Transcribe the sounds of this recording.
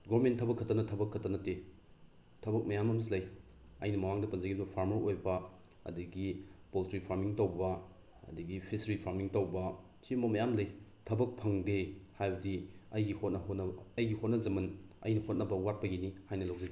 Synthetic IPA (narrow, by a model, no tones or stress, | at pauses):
ɡomentʰːɐbɐkʰːɐtɐnɐtʰɐbɐkʰːɐtːɐnɐte | tʰɐbɐk̚mɐjamɐmislɐj | ɐ̰jnɐmɐmaŋdɐpɐnzɐɡibɐpʰaɾmɐɾojbɐ | ɐ̰dɐɡipoltɾipʰaɾmiŋtɐwbɐ | ɐ̰dɐɡipʰisɾipʰaɾmiŋtɐwbɐ | simɐmɐjamlɐjtʰɐbɐk̚pʰɐŋdehajbɐdiɐjɡihot̚nɐɦotnɐɐjɡihot̚nɐzɐmɐnɐ̰jnɐhot̚nɐbɐwat̚pɐɡinihajnɐlɐwzɐɡi